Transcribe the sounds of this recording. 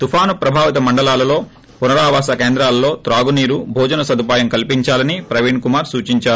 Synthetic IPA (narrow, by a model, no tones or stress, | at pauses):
t̪upʰaːnupɾɐbʱaːʋit̪ɐmɐɳɖɐlaːlɐlo̞ː | punɐɾaːʋaːsɐkeːnd̪ɾaːlɐːo̞ːt̪ɾaːɡuniːɾubʱɔːd͡ʒɐnɐsɐd̪upaːjɐmkɐlpiɲt͡ʃaːlɐnipɾɐʋiɳkumaːɾsuːt͡ʃiɲt͡ʃaːɾu